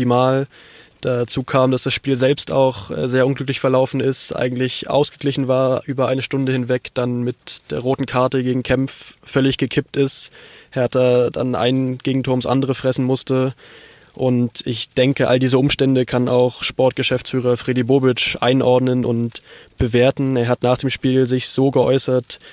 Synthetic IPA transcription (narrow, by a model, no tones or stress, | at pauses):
imaːl | d̥at͡suːkʰaːmd̥asd̥asʃpiːlzɛlpsta̰ʊxʔɛ̰ːzeːɐʔʊnɡlʏklɪçfɛɐlaʊfn̩ɪstʔa̰ɪɡŋ̩tlɪçʔa̰ʊsɡ̥əɡlɪçn̩vaːɐʔyːbɐʔaɪnəʃtʊndəhɪnvɛkd̥anmɪtd̥eːɐʁoːtn̩kʰaɐtəɡeːɡŋ̩kʰɛmffœlɪçɡ̥əkʰɪp̚tɪsthɛɐtɐda̰nʔa̰ɪnɡ̥eːɡŋ̩tʰʊɐmsʔa̰ndəʁəfʁ̥ɛsn̩mʊstə | ʔʊntɪçd̥ɛŋkəʔa̰ldiːzəʔʊmʃtɛndəkʰana̰ʊxʃpɔɐt̚ɡ̥əʃɛft͡sfyːʁ̞ɐfʁ̥eːdiboːbɪt͡ʃʔa̰ɪnʔɔɐdnənʔʊ̰ntb̥əveːɐtn̩eːɐɦatnaːχd̥eːmʃpiːlzɪçz̥oːɡəʔɔ̰ʏsɐt